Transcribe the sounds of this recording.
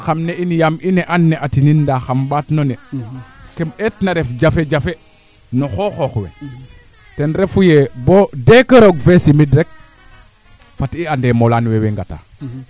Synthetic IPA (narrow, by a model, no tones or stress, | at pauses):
xamneinijamʔinɛʔanːɛʔatinindaxambaːtnonɛ | kemetnaɾefd͡ʒafed͡ʒafe | noxoxoxwḛ | tɛnɾefujebodekəɾoɡfesimidɾɛk̚ | fatiandemolanweweŋɡata̰ː